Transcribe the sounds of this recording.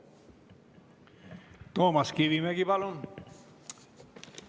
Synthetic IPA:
t̪oːmɑskiʋimeɡipɑlon

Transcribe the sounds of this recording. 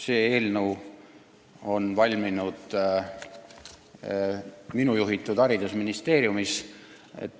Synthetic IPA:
se̞ːe̞ːlnəw | o̞nvɑlʲminud̪̥ | minujuɦit̪ːˑud̪̥ɑɾid̪usminist̪e̞ːɾjumis | ḛt̪ː

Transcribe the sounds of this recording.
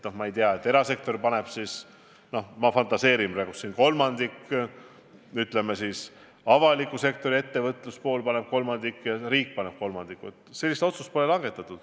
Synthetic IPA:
no̞hmɑejt̪eɑet̪ːˑe̞ɾɑse̞k̚t̪o̞rpɑne̞b̥sis | no̞hmɑfɑnt̪ɑse̞ːɾimræɡusːinko̞lmɑnd̪̥ikː | yt̪ːˑle̞mːesis | ɑvɑlikːˑuse̞k̚t̪o̞ɾie̞t̪ːe̞vɤt̪ˑluspo̞ːlpɑne̞b̥̚ko̞lmɑnd̪̥ikːjɑɾiːk̚ːpɑne̞b̥ko̞lmɑnd̪ikːˑuet̪selːist̪o̞t̪sust̪̚po̞lelɑŋɡe̞t̪ːˑɑt̪ːˑud̪̥

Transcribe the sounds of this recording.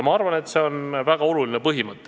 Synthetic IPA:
mɑɑrvɑne̞t̪ːse̞o̞nvæɡ̥ɑo̞luline̞pɤɦimɤt̪ˑːe

